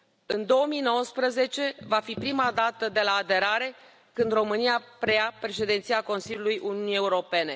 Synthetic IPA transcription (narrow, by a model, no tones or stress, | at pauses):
ɨnd̪o̞əmino̞wəspɾəze̞t͡ʃe̞vafipɾimad̪at̪əd̪e̞laːd̪e̞ɾaɾe̞ | kɨnd̪ro̞mɨniapɾeapɾe̞ʃe̞d̪int̪siako̞nsilʲjulujʔuniunije̞uɾo̞pe̞ne̞